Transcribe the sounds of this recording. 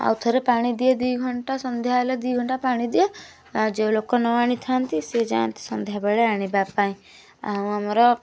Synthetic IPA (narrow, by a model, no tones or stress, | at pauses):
a̰wt̪ʰɔɾepaɽ̃id̪ied̪ujɡʱɔɳʈasɔnd̪ʱjaeled̪ujɡʱɔɳʈapaɽ̃id̪ie | d͡ʒelokɔnɔaɽ̃it̪ʰant̪ised͡ʒa̰ɔ̰nt̪i̥sɔnd̪ʱjabeɭeaɽ̃ibapaĩ | a̰ũamɔɾɔ